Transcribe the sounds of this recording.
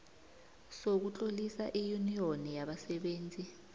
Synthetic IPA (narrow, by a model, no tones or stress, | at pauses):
sok̬ut͡ɬʼolisa̰ʔijunionijaɓasɛɓeːnd͡zʱi